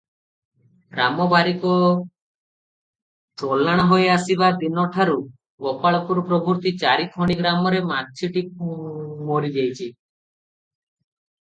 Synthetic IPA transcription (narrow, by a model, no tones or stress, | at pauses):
ɾamɔbaɾikɔ | tolːaɽ̃aɦoeasibad̪inɔʈʰaɾu | ɡɔpaɭɔpuɾɔpɾɔbuɾt̪it͡ʃaɾit̪ʰɔɽ̃iɡɾamɔɾemat̚t͡ʃʰiʈik̚ | mɔɾid͡ʒejt͡ʃʰi